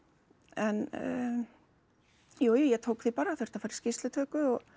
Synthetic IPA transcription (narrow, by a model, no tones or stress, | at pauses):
ɛn | joːwjujɛt̪ʰoːwkθipaɾaθœɾ̥t̪afajɾɪ̥scɪst̪lɪt̪ʰœːkʏɔɣ